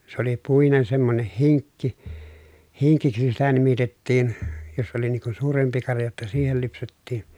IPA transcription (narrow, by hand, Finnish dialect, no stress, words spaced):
se oli puinen semːoneh hiŋkːi hiŋkiksi sitæ nimitetːiːn jos oli niŋ kun̞ suːrempi kɑrjɑ jotːɑ siːhel lypsetːiːn̥